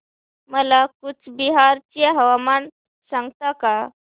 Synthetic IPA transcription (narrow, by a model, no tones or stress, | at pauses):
məlakut͡sbiɦaɾt͡ɕjaɦəʋaman | sãŋɡt̪aka